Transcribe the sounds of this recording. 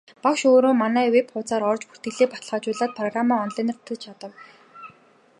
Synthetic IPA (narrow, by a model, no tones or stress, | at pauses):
pakʃoːɾoːmanæːwepχʊːt͡saːɾɔrt͡ɕpu̥t̪ɡɘ̆ɮeːpḁt̪ə̆ɮʁaːt͡ɕʊːɮaːt̪̚pʰrɔɣramaːɔnɮiːn̆rt̪ʰːə̆t͡ɕʰat̪ə̆w